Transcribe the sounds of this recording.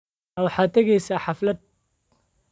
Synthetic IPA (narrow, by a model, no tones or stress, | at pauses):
wɑħɑːt̪ʰɐɣɛjsaːħɑflɐd̪̚